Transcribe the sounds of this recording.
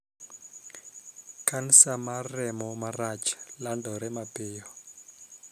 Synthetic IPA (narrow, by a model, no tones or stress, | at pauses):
kʰanisamarɛmɔmarat͡ʃʰḁlandɔɾɛmapeːjɔ